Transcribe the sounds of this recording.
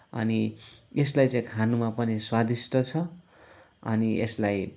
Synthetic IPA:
ʌ̰nieslajt͡sãj̃kʰanumapʌniswad̪isʈʌt͡sʰʌ | ʌ̰niḛslaj

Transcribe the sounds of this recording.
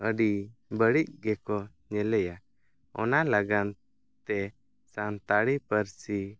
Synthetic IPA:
əɖibəɽic̚ɡɛkɔ | ɲɛlɛja | ɔ̰nalaɡan | t̪ɛ | sant̪aɽipəɾsi

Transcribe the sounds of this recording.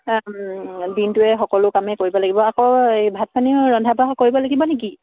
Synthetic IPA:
dintʊɛxɔkɔlʊkamɛkoɹibɔlaɡibɔakɔebʱat̚pʰaniɹɔndʱabaɦɔkoɹibɔlaɡibɔnek̬i

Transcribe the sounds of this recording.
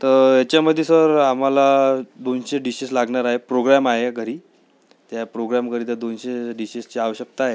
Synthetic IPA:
t̪əɾjat͡ɕjaməd̪ʱːjesəɾam̤alad̪onɕeɖiɕislaɡɳaɾaɦepɾoɡɾamaɦeɡʱəɾiː | t̪japɾoɡɾamkəɾiːt̪ad̪onɕeɖiɕist͡ɕiaʋəɕəkt̪aɦe

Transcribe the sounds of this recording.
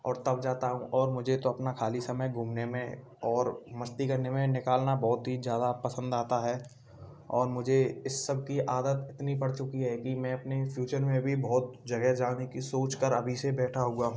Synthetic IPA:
ɔ̰ːɾt̪ɐb̚d͡ʒaːt̪aɦũʔɔːɾmʊd͡ʒʱet̪oɐpnakʰaːlisɐməjɡʱũːmnemẽ | ɔːɾmɐst̪ikɐɾnemẽnɪkaːlnabɔːʊt̪ɦizjaːd̪apɐsə̃nd̪aːt̪aɦɛː | ɔːɾmʊd͡ʒʱeɪsːəb̚ʱkiʔaːd̪ət̪ɪt̪nipɐɽt͡ʃʊkiɦɛkimɛ̃ɐpnefʰjuːt͡ʃəɾmẽbʱibɔːt̪̚d͡ʒɐɡɛɦd͡ʒaːnekisoːt͡ʃkəɾɐbʱisebɛːʈʰaɦõːɡaɦũː

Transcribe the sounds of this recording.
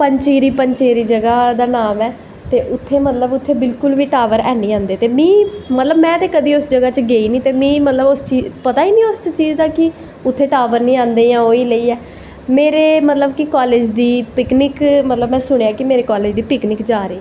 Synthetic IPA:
pəɲt͡ʃeːɾiːpəɲt͡ʃeːɾiːd͡ʒəɡaːd̪aːnaːmɛː | t̪eːʔʊt̪ʰːeːmət̪ləbʊt̪ʰːeːbɪlkʊlʋiːʈaːʋəɾɛ̰ːnĩːãːnd̪eːt̪eːmĩːmət̪ləbmɛ̃ːt̪eːkəd̪iːʊsd͡ʒəɡaːt͡ʃɡeːiːnĩːt̪eːmĩːmət̪ləbʊst͡ʃiːpət̪aːiːnĩːʊst͡ʃt͡ʃiːd͡ʒd̪aːkɪ | ʊt̪ʰːeːʈaːʋəɾnĩːãːnd̪eːjãːoːiːləiːɛː | meːɾeːmət̪ləbkɪkaːleːd͡ʒd̪iːpɪknɪkmət̪ləbmɛ̃ːsʊɽ̃eːaːkɪmeːɾeːkaːleːd͡ʒd̪iːpɪknɪkd͡ʒaːɾeː

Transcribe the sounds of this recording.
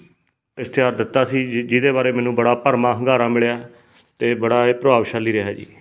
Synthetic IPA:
ɪst̪ɪjaːɾd̪ɪt̪ːaːsiːd͡ʒɪd̪eːbaːɾeːmɛːnũːbəɽaːpəɾmãːɦəŋɡaːɾãːmɪɭjaː | t̪eːbəɽaːepɾəbaːʋʃaːlːiːɾeɦaːd͡ʒḭː

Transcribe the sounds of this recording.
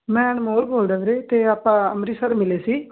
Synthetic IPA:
mɛ̃ːnmoːlboːld̪əʋɾeːt̪eːaːpːãːəmɾiːsəɾmɪleːsiː

